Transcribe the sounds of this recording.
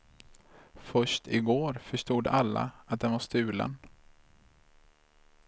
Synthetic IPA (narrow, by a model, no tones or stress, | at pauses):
fœʂʈɪɡoːɾfœʂʈuːd̪alːa̰at̪̚d̪ɛnvaʂt̪ʉ̟ːlə̰n